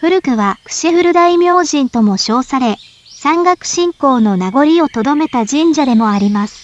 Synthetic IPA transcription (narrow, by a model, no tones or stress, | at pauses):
ɸɯ̟ɾɯ̟kɯ̟βakɯ̟̥ɕeɸɯ̟ɾɯ̟d̪aimʲjo̞ːʑĩnt̪o̞mo̞ɕo̞ːsaɾe̞ | sãŋɡakɯ̟̥ɕĩŋko̞ːno̞naɡo̞ɾʲio̞t̪o̞d̪o̞me̞t̪aʑĩɲd͡ʑad̪e̞mo̞aɾʲimasɨ̥